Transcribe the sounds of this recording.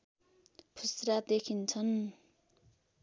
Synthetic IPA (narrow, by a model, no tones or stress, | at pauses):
pʰusɾad̪ekʰint͡sʰʌn